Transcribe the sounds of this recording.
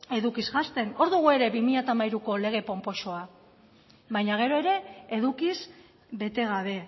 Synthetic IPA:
e̞ðukizɣast̪e̞no̞ɾðuɣ̞ue̞ɾe̞βimiʎat̪amajɾuko̞le̞ɣ̞e̞po̞mpo̞ʃo̞a | βajɲaɣ̞e̞ɾo̞e̞ɾe̞ːðukis | βe̞t̪e̞ɣ̞aβe̞

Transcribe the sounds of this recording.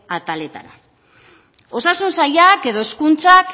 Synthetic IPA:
at̪ale̞t̪a̰ɾa | o̞sasunsajake̞ðo̞eskunt͡sak

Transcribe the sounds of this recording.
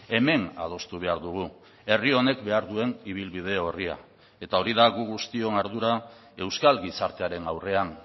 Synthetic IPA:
e̞me̞na̰ð̞o̞st̪uβ̞e̞aɾðuɣ̞u | e̞rio̞ne̞kbe̞aɾðue̞niβ̞ilβið̞e̞o̞ria̰ | e̞t̪ao̞ɾiðaɣuɣust̪io̞naɾðuɾa | e̞wskalɡisaɾt̪eaɾe̞nawre̞an

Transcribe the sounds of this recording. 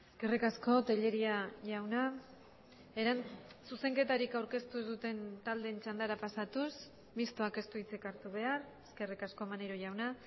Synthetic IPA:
eske̞rikasko̞t̪eʎe̞ɾiaʝawna | e̞ɾansuse̞ŋke̞t̪aɾikawɾke̞st̪uzðut̪e̞nt̪ald̪e̞nt͡ʃand̪aɾapasat̪us | mist̪o̞ake̞st̪uit͡sekaɾt̪uβ̞e̞areske̞rikasko̞maneɾoʝawna

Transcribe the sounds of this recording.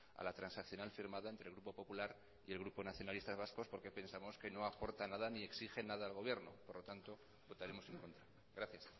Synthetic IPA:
a̰lat̪ɾansakθjo̞nalfiɾmaðaent̪ɾelɣɾupo̞po̞pulaɾ | ie̞lɣ̞ɾupo̞naθjo̞nalist̪azβasko̞spo̞ɾke̞pe̞nsamo̞ske̞no̞apo̞ɾt̪anaðanie̞ksixe̞naðaːlɣ̞o̞β̞je̞ɾno̞̰po̞ɾlo̞t̪ant̪o̞ | bo̞t̪aɾe̞mo̞seŋko̞nt̪ɾa | ɣɾaθjas

